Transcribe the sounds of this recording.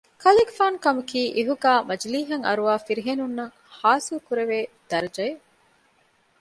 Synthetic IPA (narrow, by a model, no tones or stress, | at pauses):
kɐliɡfaːnkɐmukiːʔiɦuɡæːmɐd͡ʒliːɦɐŋɐ̰ɾuʋaːfiɾiɦenunːɐŋ | haːsilukuɾeʋeːd̪̥ɐɾɐd͡ʒɐje